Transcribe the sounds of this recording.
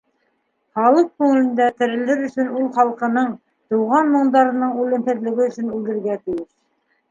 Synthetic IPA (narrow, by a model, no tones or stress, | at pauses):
χɑlˠɤq̚kʉŋɘ̆lɘ̆nd̪æt̪ɘ̆ɾɘ̆lɘɾɵ̆sɵ̆nulˠχɑlˠqɤ̆nɤɴ | t̪ɤ̆wʁɑnmŏɴd̪ɑɾɤ̆nɤɴʉlɘ̆mhɘ̆ðlɘ̆ɡɘɵ̆sɵnʉld̪ɘ̆ɾɡæt̪ɘ̆jɘʃ